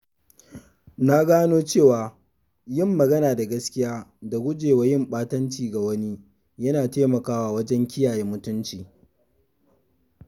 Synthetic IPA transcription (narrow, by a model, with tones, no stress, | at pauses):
na˦ɡaː˦noː˦t͡ʃeː˦˨waː˨ | jɪ˦˨mːɐ˨ɡɐ˦naː˨da˨ɡɐ˦skʲɪ˦jaː˦da˨ɡʷʊ˦d͡ʒeː˨wa˨jɪ˦mɓaː˦tɐ˦nt͡ʃiː˨ɡa˨wɐ˦ni˦ | jɐ˦naː˨teː˦mɐ˨kaː˦waː˦wɐ˦d͡ʒɛ˦ŋkʲɪ˦jaː˨jeː˦mʊ˦tʊ˦nt͡ʃiː˨